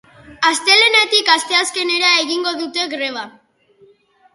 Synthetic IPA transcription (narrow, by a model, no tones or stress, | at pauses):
ast̪e̞le̞nat̪ikast̪e̞aske̞ne̞ɾae̞ɣiŋɡo̞ðut̪e̞ɣɾe̞β̞a